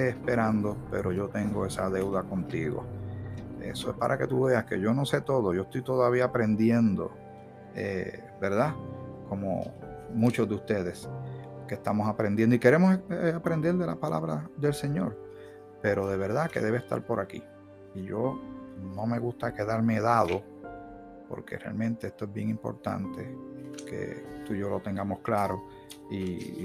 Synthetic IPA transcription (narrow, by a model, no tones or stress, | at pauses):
eːspe̞ɾand̪o̞pe̞̰ɾo̞ʝo̞t̪e̞ŋɡo̞e̞saðe̞wðako̞nt̪iɣo̰ | ḛsoepa̰ɾʔake̞t̪uβe̞aske̞ʝo̞no̞se̞t̪o̞ðo̞ʝoest̪ojt̪o̞ðaβ̞iaːpɾe̞nd̪je̞nd̪o̞̰ | ḛ | be̞ɾðako̞mo̰mũt͡ʃo̞zðeust̪e̞ðe̞skest̪amo̞sapɾend̪jend̪oike̞ɾe̞mosapɾe̞nd̪e̞ɾd̪e̞lapalʔa̰βɾaðe̞lse̞ɲo̞ɾ | pe̞ɾo̞ðe̞β̞e̞ɾðake̞̰ðe̞βest̪a̰ɾpo̞ɾʔakḭ | iʝo̞no̞me̞ɣust̪ake̞ðaɾmeðaðo̞ | po̞̰ɾke̞̰rea̰lmẽ̞nt̪e̞est̪oe̞zbje̞ŋimpo̰ɾt̪a̰nt̪e̞ke̞̰t̪uʝo̞lot̪e̞ŋɡamo̞sklaɾo̞ | i